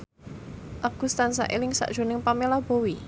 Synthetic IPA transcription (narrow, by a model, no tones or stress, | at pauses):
ʔaɡ̥ṳst̪ansa̰ʔelɪŋsa̰ʔd̥ʒ̥o̤nɪŋpamelab̥owi